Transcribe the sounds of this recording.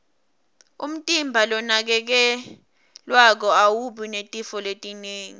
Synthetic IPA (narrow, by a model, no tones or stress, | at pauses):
ṵm̩tʼimbʱalɔnak̬ɛk̬ɛ | lwak̬ɔawuɓinetʼifɔletʼineːŋi